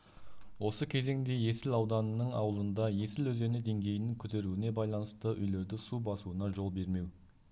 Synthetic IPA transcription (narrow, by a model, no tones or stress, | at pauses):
wo̞səkʲʰe̞ze̞ŋd̪e̞je̞sɪlɑwd̪ɑnəːəɴɑ̰wəlˠənd̪ɑje̞sɪlɵze̞nɪd̪e̞ŋɡʲe̞jɪnɪŋkʲʰʏt̪e̞ɾuɪne̞bɑjlˠɑnəst̪əʔʏ̰jle̞ɾd̪ɪsubɑsuənɑʒo̞lˠbe̞ɾme̞w